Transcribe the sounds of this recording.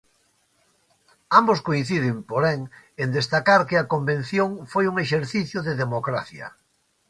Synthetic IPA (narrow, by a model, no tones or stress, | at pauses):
amboskoĩn̟θið̞ɪmpoɾɛŋ | end̪est̪akaɾkɪɐkombẽn̟θjoŋfojuŋeʃeɾθiθjʊðeðemokɾaθjɐ̰